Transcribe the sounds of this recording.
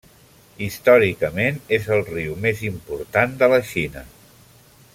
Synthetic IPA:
ist̪ɔɾikəmenezəlˠriumezimpuɾt̪and̪ələʃinə

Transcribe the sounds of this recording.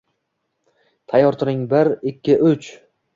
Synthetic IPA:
t̪ʰajːɒɾt̪ʰʊɾɪŋbɪɾɪkʲːɪʔɵt͡ʃ

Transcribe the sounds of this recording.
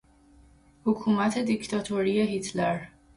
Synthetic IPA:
hokʰuːmæt̪ʰe̞d̪ikt̪ʰɒːt̪ʰoɾije̞ɦit̪ʰleɾ

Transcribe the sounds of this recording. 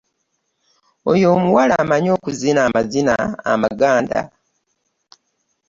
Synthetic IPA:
o̰jo̞ːmuwalaːmaɲo̞ːkuzinaːmazina̰ːmaɡaːnda̰

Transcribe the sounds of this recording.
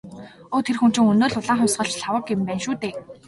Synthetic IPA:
oːt̪ʰerxum̥t͡ɕɪ̆ŋɵnoːɮʊɮaːχʊmʲsɢə̆ɮt͡ɕɮawə̆kːempæːnʃuːt̪eː

